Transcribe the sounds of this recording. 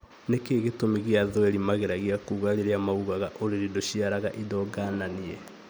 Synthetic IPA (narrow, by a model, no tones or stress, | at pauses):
nekeɣetomiɣeaðwɛɾimaɣeɾaɣiakuɣaɾeɾeamauɣaɣaʔoɾeɾidoɕiaɾaɣaʔidɔɡananiɛ